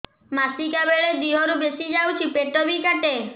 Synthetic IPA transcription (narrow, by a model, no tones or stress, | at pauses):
masikabeɭed̪iɦɔɾubesid͡ʒawt͡ʃʰipeʈɔbikaʈe